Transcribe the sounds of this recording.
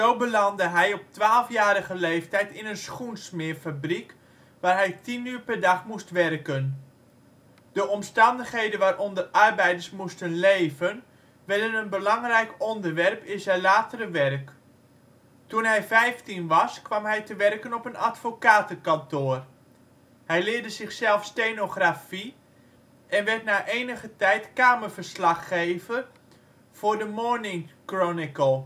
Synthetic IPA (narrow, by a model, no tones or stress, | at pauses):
zowbəlɑndəɦɛjɔp̚tʋaːlˠfjaːɾəɣəlejftɛjtɪnənsχunsmɪːrfabrik | ʋaːrɦɛjtinyːrpɛrdɑχmustʋɛrkən | d̥əɔmstɑndəχɦejdənʋaːɾʔɔndərɑrbɛjdəɹsmustənlejvən | ʋɛdənənbəlɑŋrɛjkɔndərʋɛrpɪsɛlaːtəɾəʋɛrk | tunɦɛjfɛjftinʋɑskʋɑmɦɛjtəʋɛrkənɔpənatfokaːtəkantoːr | hɛjlɪːrdəzɪχsɛlˠfstejnoχrafi | ɛnʋɛtnaːʔeːnəχətɛjtkaːmərvərslɑχːejvə | v̥ʊːɹdəmɔɹnɪŋkronɪkəlˠ